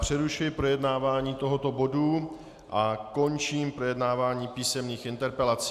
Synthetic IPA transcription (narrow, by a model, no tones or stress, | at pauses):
pr̝̥ɛɾuʃɪɪpɾo̞jɛdnaːvaːɲiːt̪o̞ɦo̞t̪o̞bo̞du | ʔako̞nt͡ʃiːmpɾo̞jɛdnaːvaːɲiːpiːsɛmniːxɪnt̪ɛɾpɛlat͡si